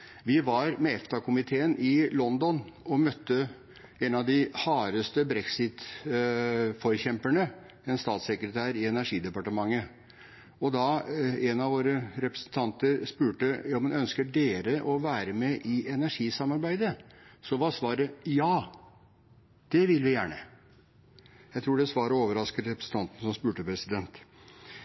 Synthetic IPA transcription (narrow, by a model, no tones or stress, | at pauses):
ʋɪʋɑɾmɛɛft̪ʰɑkʰʊmɪt̪ʰeːənʔɪlɔnd̪ɔnɔmœt̪ʰːə | ɛnɑʋd̪ɪhɑːɾəst̪əbɾɛksɪt̪ | fɔɾçɛmpæɳə | ɛnst̪ɑːt̪sɛkɾət̪ʰæːɾɪɛnæʂiːd̪ɛpɑʈəmɑŋːə | ɔd̪ɑɛnɑʋoːɾəɾɛpɾə̥snt̪ʰɑnt̪əɾspʉːʈəjɑːmɛnœnskəɖeːɾəʔɔʋæːɾəmɛʔɪʔɛnæʂiːsɑmɑɾbæɪd̪əsɔʋɑɾsʋɑːɾəjɑː | d̪̥ɛʋɪlʋɪjæːɳə̰ | jæɪt̪ʰɾuːɖɛsʋɑːɾəoːʋəɾɑskəɾɾɛpɾəsn̩t̪ɑnt̪n̩sɔmspʉːʈəpʰɾɛsɪd̪ɛnt̪